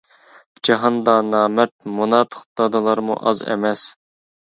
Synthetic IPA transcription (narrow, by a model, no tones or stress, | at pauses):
d͡ʒɑɦɑnd̪ɑnɑːmɛt̪̚munɑːpʰə̥χd̪̥ɑd̪ɨlˠɑɾmṵʔɑzɛ̰mɛs